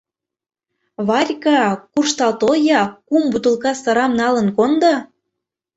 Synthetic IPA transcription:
βɑrʲkɑkurʃt̪ɑlt̪ojɑkumbut̪əlkɑsɑɾɑmnɑlə̆nkond̪ɑ

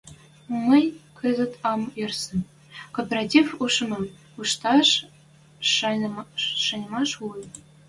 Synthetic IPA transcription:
mɤ̆jʲkʰɤ̆zɘ̆t̪ɑmersɘ̆ | kopʲeratʲifuʂmɤ̆ | uʂt̪ɑʂ | ʂɤ̆nʲmɑʂu

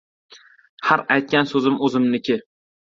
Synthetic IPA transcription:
haɾajt̪̚kʲansɵzɪmɵzɪmnɪkʲɪ

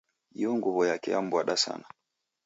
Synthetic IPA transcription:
jɔŋɡuβɔjakɛjam̩bwaɗasa̰na

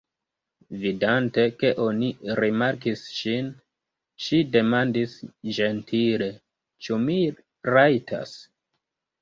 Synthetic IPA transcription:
vidante̞ke̞ʔo̞niɾimaɾkisʃin | ʃide̞mandisd͡ʒe̞ntʰile̞ | t͡ʃumi | ɾajtʰa̰s

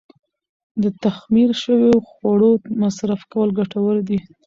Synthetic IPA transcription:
d̪ət̪axmiɾʃəwoxwaɽomasɾafkawəlɡaʈawəld̪i

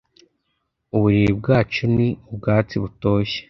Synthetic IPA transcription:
uβuɾiibɡaːt͡ʃoniubɡaːt͡siβuto̞ːçe̥

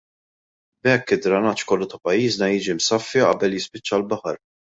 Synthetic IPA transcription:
bɛkːɪd̪ɾɐnɐt͡ʃkɔlːuʊt̪ɐpɐjːiːznɐjiːd͡ʒimsɐfːiʔɐ̰bɛljɪspɪt͡ʃːɐlbɐħɐɾ

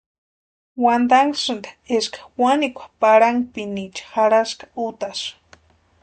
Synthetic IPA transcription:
wand̪aŋsɨnd̪ḁeʃkḁwanikʷapaɾaŋpinit͡ʃḁxaɾaskḁʊt̪aʃ

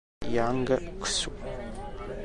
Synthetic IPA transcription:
jaːŋɡɐkʰʷsu

